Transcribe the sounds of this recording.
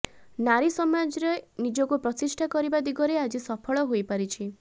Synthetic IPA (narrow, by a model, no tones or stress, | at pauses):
naɾisɔmad͡ʒɔɾenid͡ʒɔkupɾɔtisʈʰakɔɾibad̪iɡɔɾead͡ʒisɔpʰɔɭɔɦojpaɾit͡ʃʰi